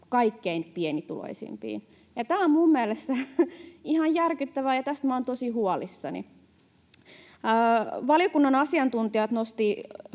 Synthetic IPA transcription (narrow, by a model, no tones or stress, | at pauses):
kɑikːeinpienit̪ulo̰isḭmpḭːn | jɑt̪æːommummiælest̪æ | ihɑjjærkyt̪ːæʋæjɑt̪æst̪mæont̪osihuɑlisːɑ̰nḭ | əːʋɑljokunːɑnɑsiɑnt̪unt̪iɑt̪nost̪i